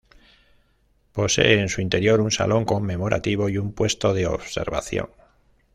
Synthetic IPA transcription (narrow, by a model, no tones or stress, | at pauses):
po̞se̞̰eːnsuint̪e̞ɾjo̞ɾunsa̰lʔo̞ŋko̞mːe̞mo̞ɾʔa̰t̪iβ̞o̞jumpwe̞st̪o̞ðeo̰βse̞̰ɾβa̰θjo̞̰ŋ